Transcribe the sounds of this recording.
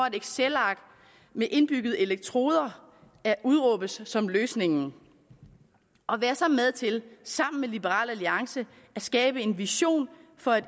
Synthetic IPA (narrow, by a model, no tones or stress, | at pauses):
ɒ̽ædeɡ̥selɑ̈ɡ̥ | meʔe̝nb̥yɡ̥ð̩ˠe̝leɡ̥̚t͡sʰʁo̝̰ːð̞ˠɐ | æʔuð̞ˠʁɔ̽b̥əsːɒ̽mløːsne̝ŋn̩ | ɒ̽ʋæːɐsɑ̈með̞ˠt͡sʰe̝lsɑ̈m̰n̩melib̥əʁɑ̰̈ːlæliɑ̈ŋsə | æsɡ̥ɛːb̥əe̝nʋiɕo̝̰ːnfɒ̽æd